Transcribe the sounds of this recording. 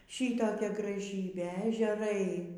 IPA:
ˈʃʲiːtoːkʲɛ ɡrɐˈʒʲiːbʲeː ɛʒʲɛˈrɐɪ

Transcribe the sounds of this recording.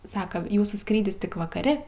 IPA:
ˈsɑːkɐ ˈjuːsuː ˈskrʲiːdʲɪs ˈtʲɪk ʋɐkɐˈrʲɪ

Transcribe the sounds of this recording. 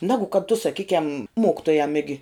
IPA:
ˈnʲæːɡʊ kɐt tʊ sɐˈkʲiːkʲɛm ˈmoːkʲɪtoːjɛm ˈɪɡʲɪ

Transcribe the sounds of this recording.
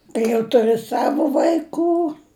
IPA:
kɐɪ jɛʊ tʊˈrʲɪ ˈsɑːʋoː ʋɐɪˈkuː

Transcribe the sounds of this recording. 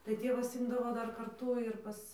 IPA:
tɐɪ ˈtʲeːʋɐs ˈɪmdɐʋoː ˈdɐr kɐrˈtuː ɪr ˈpɐs

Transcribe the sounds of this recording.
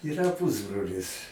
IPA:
iːˈrɐ ˈpʊzbroːlʲɪs

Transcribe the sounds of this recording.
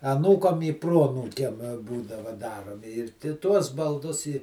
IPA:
ɐˈnuːkɐm ɪ ˈproːɐnuːkʲɛm ˈbuːdɐʋɐ ˈdɑːroːmʲɪ ɪr tʲɪ tuɔs bɐlˠˈdʊs ɪ

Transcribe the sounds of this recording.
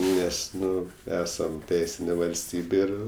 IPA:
ˈnʲɛs ˈnʊ ˈæːsɐm ˈtʲɛɪsʲɪnʲeː ʋɐlʲsʲˈtʲiːbʲeː ˈɪr

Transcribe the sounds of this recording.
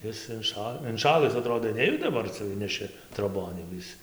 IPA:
ˈɪs ɪnˈʃɐ ɪnˈʃɑːlˠɨs ɐˈtroːdoː ˈnʲæːjʊdɐ dɐˈbɐr ˈt͡sʲɛ ˈɪnʲnʲɛʃʲɪ troːˈboːn jɛʊ ˈɪs

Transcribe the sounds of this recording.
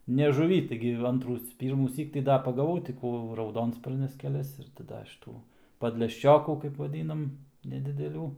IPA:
nʲɛ ʒʊˈʋʲiː ˈtɐɪɡʲɪ ˈɐntruː ˈpʲiːrmuːsʲiːk tɐɪ ˈdɐ pɐɡɐˈʋɐʊ tʲɪ ˈkuː rɐʊˈdoːnspɐrʲnʲɛs kʲɛˈlʲɛs ɪr tɐɪ ˈdɐ ʃʲiːˈtuː pɐdʲlʲɛʃʲˈt͡ʃʲoːkuː kɐɪp ʋɐˈdʲiːnɐm nʲɛdʲɪdʲɛˈlʲuː

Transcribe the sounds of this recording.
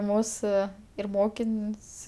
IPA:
ˈmuːsʊ ɪr ˈmoːkʲɪnʲsʲ

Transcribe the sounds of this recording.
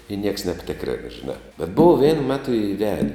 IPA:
ɪ nʲiɛks nʲɛpʲˈtʲɪkrʲeːn ʒʲɪˈnɑː bʲɛt boːw ʋʲiɛn ˈmʲæːtʊ ɪˈʋʲæːdʲɛ

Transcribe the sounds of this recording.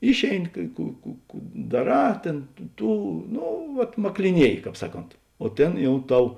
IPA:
ˈɪʃʲeːɪˌnʲɪ kɐɪ ˈkuː kuː kuː dɐˈrɑː ˈtʲeːn ˈtuː ˈnoː ˈʋɐt mɐklʲɪˈnʲiɛjɪ ˈkɑːp ˈsɑːˌkoːnt oː ˈtʲeːn ˈjɛʊ ˈtɐʊ

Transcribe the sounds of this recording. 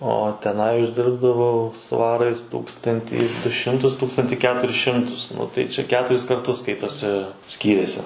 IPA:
oː tʲɛˈnɐɪ ʊʒʲˈdʲɪrbdɐʋɐʊ ˈsʋɑːrɐɪs ˈtuːkstɐnʲtʲiː dʊ ˈʃʲɪmtʊs ˈtuːkstɐnʲtʲɪ ˈkʲæːtʊrʲɪs ˈʃʲɪmtʊs ˈnʊ tɐɪ ˈt͡ʃʲɛ ˈkʲæːtʊrʲɪs kɐrˈtʊs ˈskɐɪtoːsʲɪ ˈsʲkʲiːrʲeːsʲɪ

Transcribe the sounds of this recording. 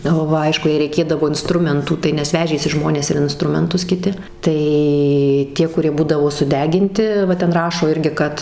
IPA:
ˈʋɐ ˈɐɪʃkʊ jɛɪ rʲɛɪˈkʲeːdɐʋoː ɪnˈstrʊmʲɛntuː ˈtɐɪ nʲɛs ˈʋʲæːʒʲeːsʲɪ ˈʒmoːnʲeːs ɪr ɪnˈstrʊmʲɛntʊs kʲɪˈtʲɪ ˈtɐɪ ˈtʲiɛ kʊˈrʲiɛ ˈbuːdɐʋoː sʊˈdʲæːɡʲɪnʲtʲɪ ˈʋɐ ˈtʲɛn ˈrɑːʃoː ˈɪrʲɡʲɪ ˈkɐt

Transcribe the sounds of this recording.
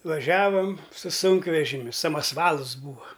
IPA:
ʋɐˈʒʲæːʋɐm sʊ ˈsʊŋkʋʲɛʒʲɪmʲʊ sɐmɐsˈʋɐlˠs ˈbuːʋɐ

